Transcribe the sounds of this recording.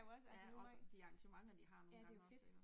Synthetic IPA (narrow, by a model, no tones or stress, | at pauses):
ɔsjæɒsd̥iɑ̈ŋɕəmɑ̈ŋ̩d̥iɦɑ̈no̥ejfed̥